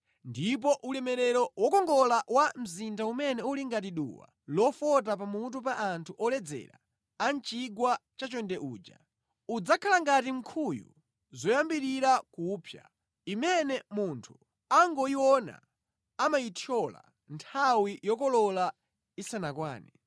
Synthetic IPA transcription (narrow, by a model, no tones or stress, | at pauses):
ndip̬ɔʔulɛmɛɾɛɾɔwɔkɔŋɡɔlawam̩zindaumɛnɛuliŋɡatiɗṵwa̰ | lɔfɔt̬ap̬amut̬up̬aʔantʰuʔɔlɛd͡zɛ̰ɾa̰ | ant͡ʃiɡwat͡ʃat͡ʃɔndɛʔuːd͡ʒa̰ | ud͡zakʰalaŋɡatiŋ̩kʰujṵ | zɔjambiɾiɾakupʰja̰ | imɛnɛmuntʰu̥ | aŋɡɔiwɔna̰ | amaitʰjɔla̰ | ntʰawijɔkɔlɔla | isanakwa̰ːnɛ